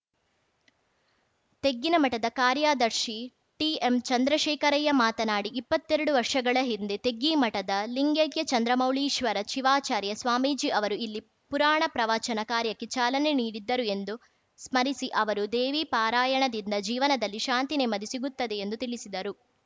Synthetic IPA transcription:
t̪e̞ɡːinɐmɐʈɐd̪ɐkaːɾjaːd̪ɐɾʃi | ʈiemt͡ʃɐnd̪ɾɐʃɛːkɐɾɐjɐmaːt̪ɐnaːɽiʔipːɐt̪ːeɾɐɽuʋɐɾʂɐɡɐɭɐɦind̪e̞t̪e̞ɡːimɐʈɐd̪ɐliŋɡeɡjɐt͡ʃɐnd̪ɾɐmɐwɭiːʃʋɐɾɐʃiʋaːt͡ʃaːɾjɐsʋaːmiːd͡ʒiʔɐʋɐɾuilːi | puɾaːɳɐpɾɐʋaːt͡ʃɐnɐkaːɾjɐkːet͡ʃaːlɐne̞niːɽid̪ːɐɾue̞nd̪u | smɐɾisiʔɐʋɐɾud̪eːʋiːpaːɾaːjɐɳɐd̪ind̪ɐd͡ʒiːʋɐnɐd̪ɐlːiʃaːnt̪ine̞mɐd̪isiɡut̪ːɐd̪e̞ːnd̪ut̪iɭisid̪ɐɾu

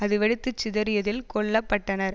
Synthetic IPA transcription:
ɐðɯʋɛɽɪt̪ːɯt͡ʃːɪðɐɾɪjɐðɪlkɔɭːɐpːɐʈːɐnɐɾ

